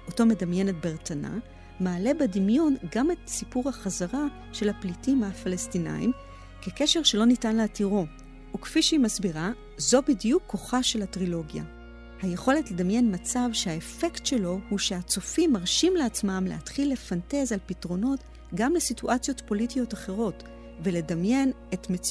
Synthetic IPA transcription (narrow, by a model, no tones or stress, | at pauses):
ʔoto̞me̞damje̞net̚beʁtana̰ | maːle̞bedimjo̞nɡame̞tsipuʁhaχazaʁa | ʃe̞laplitimafalestina̰jḭm | keke̞ʃe̞ʁʃe̞lo̞nitanleatiʁo̞ | ukfiʃimasbiʁa | zo̞bidjukʰːo̞χaʃe̞lhatʁilo̞ɡja̰ | hajeχo̞le̞tle̞damje̞nmat͡savʃehaefe̞ktʃe̞lo̞huʃe̞at͡sofimːaʁʃimleat͡smamlḛhatχilːe̞fante̞zalpitʁo̞no̞t | ɡamlesituʔat͡sjo̞tpo̞litijo̞taχe̞ʁ̞o̞t | ve̞le̞damje̞n | etmet͡s